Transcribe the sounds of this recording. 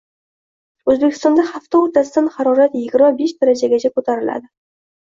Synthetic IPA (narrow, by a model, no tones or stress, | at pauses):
ɵzbekʲʰɪst̪ɑnd̪ɑχaft̪awot̪asd̪anχɑɾɒɾat̪jɪɡʲɪɾmabeʃd̪æɾad͡ʒaɡʲet͡ʃʰakʰot̪ʰaɾɪla̰d̪ɪ